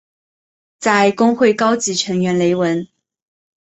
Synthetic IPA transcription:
t͡sa˥˧ɪkʊ˥ŋxwe˥˩ɪkɑ˥ʊt͡ɕi˧˥ʈ͡ʂʰɤ˧˥ŋɥɛ˧˥nle˧˥ɪwə˧˥n

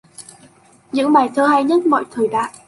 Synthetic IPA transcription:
ɲɨ̰˧˥ŋɓaː˨˩jt̪ʰəː˧ɦaː˧jɲə˦˥t̚mɔ̰˧˨jt̪ʰəː˨˩jɗa̰ː˧˨ʔ

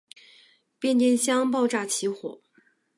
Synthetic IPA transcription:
pjɛ˥˧nt͡ɕjɛ˥˩nɕjɑ˥ŋpɑ˥˧ʊʈ͡ʂa˥˩t͡ɕʰi˧˥xwɔ̰˨˩˦

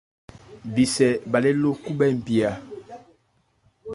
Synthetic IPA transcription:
bi˨sɛ˨ba˨le˦lo˦ku˦bɛ˦˨m˨bi˨a˨

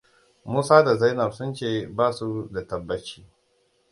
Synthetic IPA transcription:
muː˦saː˦da˨za˦jnɐ˨bsʊ˦nt͡ʃeː˦˨baː˦su˦da˨tɐ˨bːɐ˦t͡ʃiː˦

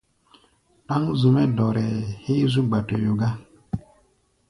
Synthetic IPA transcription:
ta˦ŋzu˨mɛ˦dɔ˨ɾɛ˨he˦zu˦ɡ͡ba˨to˨jo˨ɡa˦

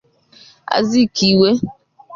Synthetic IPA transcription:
a̰˦zi˦ki˨we˦

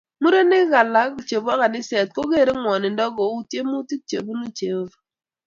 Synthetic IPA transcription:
mu˦ɾo˦nɪ˦ɣa˨la˨˦kt͡ʃe˨bɔ˦ka˨nɪ˦sɛ˨t̚ko˦ɡe˦˨ɾe˦ŋwɔ˨nɪ˨ndɔ˦ɡɔ˨u˦tje˦mu˦ti˦t͡ʃḛ˨bu˦nu˦t͡ʃe˨v

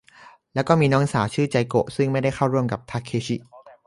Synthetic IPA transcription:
lɛː˦˥wkɔː˥˩miː˧nɔː˦˥ŋsaː˩˦wt͡ɕʰɯː˥˩t͡ɕa˧jko̰˨˩ʔsɯ˥˩ŋma˥˩jda˥˩jxʰa˥˩wɾu˥˩əmka˨˩p̚t̪ʰa˦˥kʰːeː˦˥ɕi˨˩ʔ

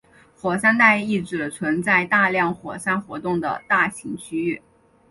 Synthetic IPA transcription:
xwɔ˨˩sa˥nt̪a˥˧ɪi˥˩ʈ͡ʂɻ̩˨˩t͡sʰwə˧˥nt͡sa˥˧ɪt̪a˥˧ljɑ˥˩ŋxwɔ˨˩sa˥nxwɔ˧˥t̪ʊ˥˩ŋd̪ə̰˩t̪a˥˩ɕi˧˥ŋt͡ɕʰy˥y˥˩

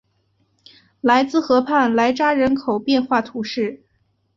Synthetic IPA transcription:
la˧˥ɪt͡sɹ̩˥˩xɤ˧˥pʰa˥˩nla˧˥ɪʈ͡ʂa˥ɻə˧˥nkʰo˨˩ʊpjɛ˥˧nxwa˥˩t̪ʰu˧˥ʂɻ̩˥˩

